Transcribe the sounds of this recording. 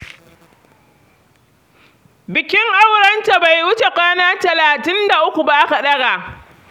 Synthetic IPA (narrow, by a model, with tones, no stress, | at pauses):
bɪ˨kʲɪ˦ŋʔa˦wɽɐ˦nta˨ba˨jwʊ˦t͡ʃe˨kʷaː˦naː˦tɐ˨laː˨tɪ˦nda˨ʔʊ˦kʷu˨ba˦ʔa˦ka˨ɗɐ˦ɡaː˨ʔ